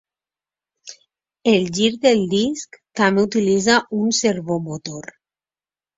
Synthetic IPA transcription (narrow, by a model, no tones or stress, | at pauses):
elʎiɾdðeld̪iskt̪ameut̪ilizaʔunseɾβomot̪oɾ